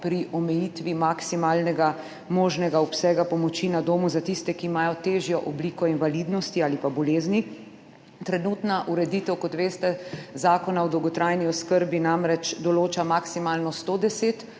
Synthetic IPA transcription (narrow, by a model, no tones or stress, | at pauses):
pɾiʔɔmɛjit̪ʋimaksimaːlnɛɡa | moːʒnɛɡaɔpsɛːɡapɔmɔt͡ʃinad̪oːmuzat̪ist̪ɛkiːmaːjɔt̪eːʒjɔʔɔbliːkɔinʋalid̪nɔst̪iaːlipabɔleːzni | t̪ɾɛnut̪naʔuɾɛd̪iːt̪ɛwkɔt̪ʋeːst̪ɛzaːkɔnawd̪ɔwɡɔt̪ɾajniɔskəɾbinamɾɛt͡ʃd̪ɔloːt͡ʃamaksimaːlnɔst̪oːd̪ɛseːt̪